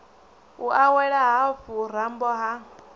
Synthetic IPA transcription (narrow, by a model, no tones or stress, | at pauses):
uʔawɛɺaɦafuɾ̤ambɔɦa